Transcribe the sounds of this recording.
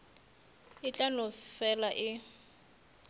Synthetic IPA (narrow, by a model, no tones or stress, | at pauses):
ɪt͡ɬʼanʊfɛlaʔɪ